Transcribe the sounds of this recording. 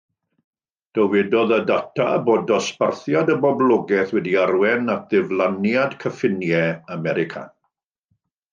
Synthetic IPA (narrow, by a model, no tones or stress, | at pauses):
d̥əwɛdɔðədatʰa̰boːdɔsparθjadəbɔblˠɔɡɛθwɛdiarwɛnat̚ðɪvlˠanjadkʰəfɪnjɛamɛɾɪkʰa̰